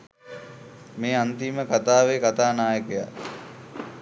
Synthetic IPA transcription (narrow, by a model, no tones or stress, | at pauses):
meːant̪iːməkat̪aːʋekat̪aːnaːjəkəja̰